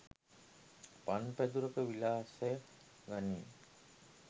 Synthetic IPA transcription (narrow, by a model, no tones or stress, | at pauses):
panpæd̪uɾəkəʋilaːsejə | ɡaniː